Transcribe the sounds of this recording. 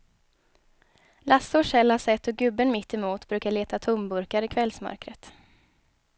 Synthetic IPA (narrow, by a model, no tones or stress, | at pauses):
lasːʊʂɛlhaʂsɛt̪ːɔɡɵbːənmɪt̪ːɛmuːt̪bɾʉ̟ːkaɭeːt̪at̪ʰʊmbɵɾkaɾɪkʰvɛlsmœ̰ɾkɾət̪